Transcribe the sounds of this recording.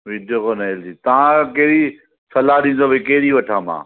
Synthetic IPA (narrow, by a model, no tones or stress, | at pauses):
ʋɪdjokonɐɪld͡ʑiːt̪ɐʋãkɐɦɪɾi | sɐlaɗĩːnd̪obekɐɦɾiʋɐʈʰãːmã̰ː